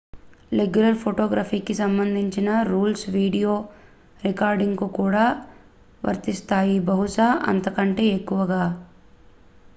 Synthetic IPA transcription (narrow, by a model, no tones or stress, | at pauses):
leɡulɐlpʰoʈoːɡɾaːpiːkisɐmbɐnd̪ʱiɲt͡ʃinɐɾuːlsʋiːɖijoː | ɾikaːɾɖiŋɡkukuːɽaː | ʋɐ̰ɾt̪ist̪aːjibɐɦuʂaʔɐ̰nt̪ɐkɐɳʈe̞ːekːuʋɐɡaː